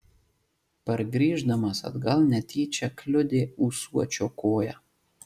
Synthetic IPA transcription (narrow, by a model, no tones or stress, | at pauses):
pɐɾɡɾʲiːʒd̪ɐmɐsɐ̰d̪ɡɐlˠnʲɛt̪ʲiːt͡ʃʲɛklʲʊd̪ʲeːuːsuɔt͡ʃʲoːkoːjæː